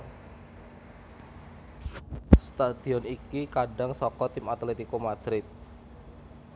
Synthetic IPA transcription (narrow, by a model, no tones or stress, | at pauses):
st̪ad̪̥iɔnikikaɖaŋsɔkɔt̪imat̪let̪ikomad̪̥ɾɪt̪̚